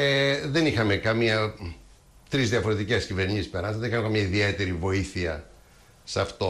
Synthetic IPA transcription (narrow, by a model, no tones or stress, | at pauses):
eðe̞nixɐme̞kɐmiɐ | t̪ɾizðiɐfo̞ɾe̞t̪ice̞scive̞ɾɲisispeɾnɐt̪ðenixɐmekɐmiɐiðie̞t̪e̞ɾivo̞iθiɐ | sɐft̪o